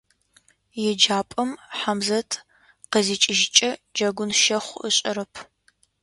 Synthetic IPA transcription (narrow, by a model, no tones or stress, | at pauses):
jɛd͡ʒaːpʼɐmħamzɐtʰ | qəzit͡ʃʼɪʒɪt͡ʃʼɐd͡ʒɐɡʷʊnʃɐχʷə̰ɕʼɐɾɐpʰ